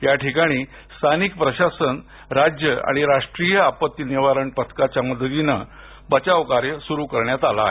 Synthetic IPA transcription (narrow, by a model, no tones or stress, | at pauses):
jaʈʰikaɽ̃iː | st̪ʰanik̚pɾəɕasən | ɾad͡ʑjəa̰ɽ̃iɾaʂʈɾijəapət̪ːiniʋaɾəɳpət̪ʰkat͡ɕaməd̪ʱət̪inə | bət͡ɕaʋkaɾjəsuɾukəɾɳjat̪alae